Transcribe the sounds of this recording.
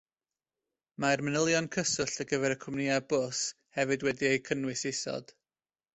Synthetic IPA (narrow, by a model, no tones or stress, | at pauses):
maɛrmənəlˠjɔnkʰəsʊɬəɡəvɛɾəkʰʊmnɪabʊs | hɛvɨdwɛdiejkʰənwɪsɪsɔ̰d̥